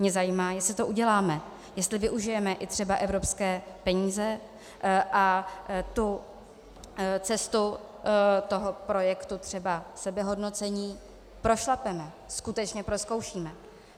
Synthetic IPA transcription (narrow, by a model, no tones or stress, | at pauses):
mɲɛzajiːmaːjɛstɪt̪o̞ʔuɟɛlaːmɛ | jɛst̪lɪvɪʔuʒɪjɛmɛʔɪt̪r̥ɛbaʔɛvɾo̞pskɛːpɛɲiːzɛ | ʔat̪u | t͡sɛst̪u | t̪o̞ɦo̞pɾo̞jɛkt̪ut̪r̥ɛbasɛbɛɦo̞dno̞t͡sɛɲiː | pɾo̞ʃlapɛmɛ | skut̪ɛt͡ʃɲɛpɾo̞sko̞wʃiːmɛ